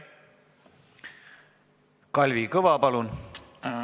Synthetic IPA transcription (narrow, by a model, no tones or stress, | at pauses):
kɑlʲvikɤʋɑpɑlun